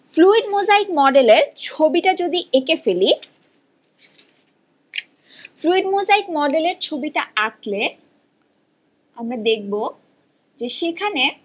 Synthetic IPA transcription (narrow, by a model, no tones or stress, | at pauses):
fluiɖmozaikmɔɖeleɾt͡ɕʰobiʈad͡ʑod̪iʔekefeli | fluiɖmozaik̚mɔɖeleɾt͡ɕʰobiʈaat̪le | amɾad̪ek̚bo | d͡ʑeʃekʰane